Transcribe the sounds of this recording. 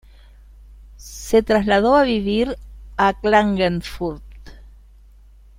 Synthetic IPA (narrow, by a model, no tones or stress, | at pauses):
set̪ɾazlaðoaβiβiɾaklaŋɡenfuɾt̪